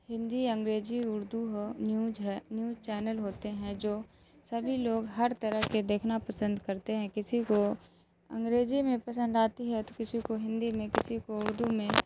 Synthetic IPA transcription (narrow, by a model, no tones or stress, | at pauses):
hɪ̃nd̪iɐ̃ŋɡɾeːd͡ʒiʊɾd̪uɦonjuːɦɛnjuːzt͡ʃɛːnəlɦoːt̪eɦɛ̃d͡ʒoː | sɐbʱiloːɡɦɐɾt̪ɐɾəɦked̪eːkʰnapɐsə̃nd̪kɐɾt̪eɦɛ̃kɪsiko | ɐ̰̃ŋɡɾeːd͡ʒimẽpɐsə̃nd̪aːt̪iɦɛt̪o̥kɪsikoɦɪ̃nd̪imẽkɪsikoʊɾd̪umẽ